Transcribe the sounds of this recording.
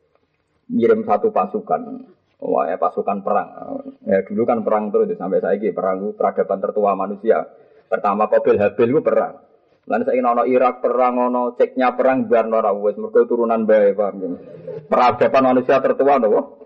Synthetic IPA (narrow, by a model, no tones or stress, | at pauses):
iɾɪmsat̪upasuka̰n | wa̰ja̰pasukanpəɾa̰ŋ̰jaɡ̥ṳlukanpəɾaŋt̪əɾʊsdisampɛʔsajaɡipəɾaŋkupəɾaɡ̥a̤pant̪ərt̪uamanusia̰ | pərt̪amapob̥ɪlɦab̥ɪlkupəɾa̰ŋ | la̰nsakinɔnɔʔiɾak̚pəɾaŋɔnɔt͡ʃɪk̚ɲapəɾaŋbarnɔɾauwɛsmurkot̪uɾunanbaepaŋpəɾaɡ̥a̤panmanusiat̪ərt̪uwand̪ɔwɔ